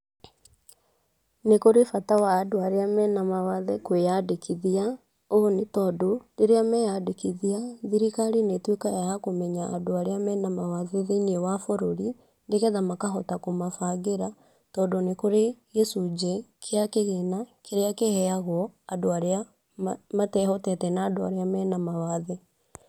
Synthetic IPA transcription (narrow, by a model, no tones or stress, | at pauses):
nekoɾefatawaːdoaɾeamɛːnamawaðɛkwejadekʰiðia | onetɔdoneɾeamɛjadekiðiaðiɾikaɾinetwekajajakomɛɲa̰ːdoaɾeamɛnamawaðeðenewafoɾoɾi | ndeɣɛðamakaɦɔtakomafaɣeɾa | tɔːdonekoɾeɣɛsud͡ʒɛkʰeakeɣenakʰeɾeakehɛaɣwɔadoaɾea | matɛhɔtɛtɛnaːdoa̰ɾeamɛːnamawaðɛ